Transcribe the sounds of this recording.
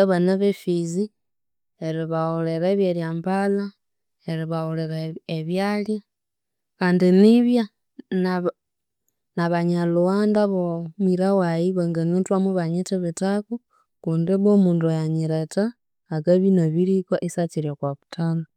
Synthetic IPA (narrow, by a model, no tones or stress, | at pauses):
aβanaβefizi | eɾiβaoleɾeβjeljaːmpala | eɾiβaoleɾaeβjalja | kaːndiniβja | na | naβaɲaluwandaβomiɾawajiβaŋɡanintwamuβaɲitiβitaku | kuːndiβomuːndojaɲiɾetaː | kaβinaβiɾikaʔisat͡ʃiɾjokwaβutʰala